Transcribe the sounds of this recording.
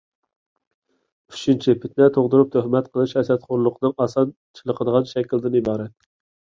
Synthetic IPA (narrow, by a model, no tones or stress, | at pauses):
y̥t͡ʃʰint͡ʃʰipʰɪt̪nɛt̪ʰoʁd̪uɾup̚t̪ʰøhmɛt̪qʰəlˠɨʃɛsɛt̪χoɾlˠʊqʰənɨŋɑsɑn | t͡ʃʰilˠəqʰəd̪əʁɑnʃɛkʲild̪ɪnibɑːɾɛt̪̚